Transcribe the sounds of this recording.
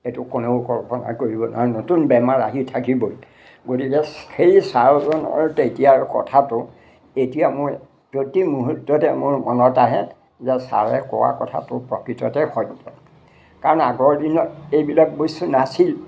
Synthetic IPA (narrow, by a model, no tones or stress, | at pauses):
etʊkonokɔɹpɔna̰koɹibɔna̰notunbɛmaɹaɦitʰakibɔj | ɡotikɛsxejsaɹzɔnɔ̰ɹtetijaɹkɔ̰tʰatʊ | etijamʊɹ | zotimuɦutːɔtɛmʊɹmɔnɔtaɦɛ | zɛsa̰ɹɛkɔ̰wa̰kɔtʰa̰tʊpɹɔkɹitɔtɛxʰɔdɔ | kaɹɔnaɡɔɹdinɔtejbilak̚bojstunasil